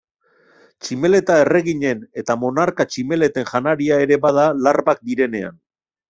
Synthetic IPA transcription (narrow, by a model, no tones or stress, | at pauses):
t͡ʃime̞le̞t̪ae̞re̞ɣiɲe̞ne̞t̪amo̞naɾkat͡ʃime̞le̞t̪e̞ŋʝanaɾiae̞ɾe̞βað̞alaɾβak̚d̪iɾe̞ne̞a̰n